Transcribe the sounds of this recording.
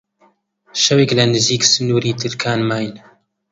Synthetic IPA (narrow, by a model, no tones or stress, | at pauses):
ʃɐweːklɐnɨziːksɨnuːɾiːt̪ʰɨɾkʰaːnmaːjn